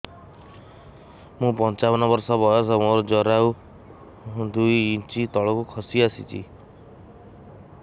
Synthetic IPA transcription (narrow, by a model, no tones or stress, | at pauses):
mũpɔnt͡ʃabɔnɔbɔɾsɔbʱɔjɔsɔmoɾɔd͡ʒɔɾaw | d̪ujːt͡ʃit̪ɔɭɔkukʰɔsiasḭt͡ʃʰḭ